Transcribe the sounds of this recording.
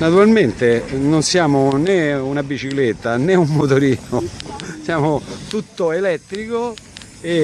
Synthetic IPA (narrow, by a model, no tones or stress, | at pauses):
nat̪uɾalment̪enonsjaːmoneunabit͡ʃiklet̪ːaneumːot̪oɾiːnosjaːmot̪ut̪ːoelɛt̪ːɾiko | e